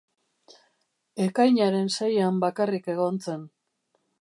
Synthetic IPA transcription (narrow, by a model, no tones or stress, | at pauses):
e̞kajɲaɾe̞nsajambakarike̞ɣ̞o̞nt͡se̞n